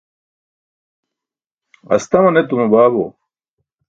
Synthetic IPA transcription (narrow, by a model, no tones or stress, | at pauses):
ɐ̰st̪ɐmɐnet̪umubaːbo̰